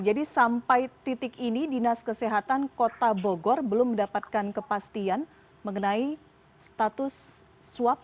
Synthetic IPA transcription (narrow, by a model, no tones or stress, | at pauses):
d͡ʒadisampajt̪it̪ɪkinidinaskəseɦat̪ankot̪aboɡɔrbəlʊmːəndapat̪̚kankəpast̪ian | məŋənai | st̪at̪ʊsː | uwap̚